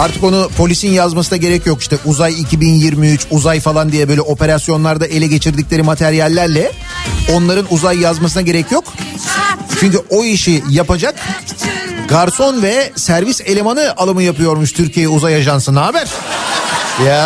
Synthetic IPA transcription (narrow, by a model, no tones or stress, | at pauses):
aɾt̪ʰɯko̞nupʰo̞lʲisinjazmasɯnaɟe̞ɾɛcjo̞ki̥ʃt̪ɛʔuzajicʰibinjiɾmiyt͡ʃuzajfalˠand̪ijɛbøjlʲɛo̞pe̞ɾasjo̞nlˠaɾd̪aʔe̞lʲɛɟe̞t͡ʃʰiɾd̪iclʲe̞ɾimat̪ʰɛɾijalʲːæɾlʲɛ | o̞nlˠaɾɯnuzajːazmasɯnaɟe̞ɾɛcjo̞k | t͡ʃʰyɲcyʔo̞iʃijapad͡ʒak | ɡaɾso̞nvɛsæɾvise̞lʲemanɯalˠamɯjapɯjo̞ɾmuʃt̪ʰyɾcʰijejɛuzajaʒansɯnaːbæɾ̥ | ja